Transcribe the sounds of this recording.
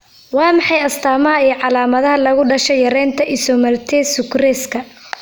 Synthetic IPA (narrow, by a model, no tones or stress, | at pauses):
wɑːmɑħɑjɐst̪ʰaːmɐɐiːʕɑlaːmɐðɐɦɐlɐɣʊɖɐʃɛjɐɾɛːnt̪ʰɐʔɪsɔmɐrt̪ʰɛsʊkrɛːskʰɐ